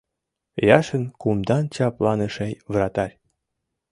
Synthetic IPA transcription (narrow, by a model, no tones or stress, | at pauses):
jɑʃənkumd̪ɑnt͡ɕɑplɑnəʃejβɾɑt̪ɑɾʲ